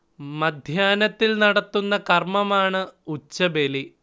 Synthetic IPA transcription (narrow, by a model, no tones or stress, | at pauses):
mɐd̪ʱjaːnɐt̪ːilnɐɽɐt̪ːunːɐkɐrmɐmaːɳɨut͡ɕːɐbeli